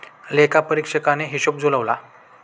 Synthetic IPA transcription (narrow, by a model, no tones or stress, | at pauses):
lekapəɾikʂəkaneɦiɕop̚d͡zoləʋla̰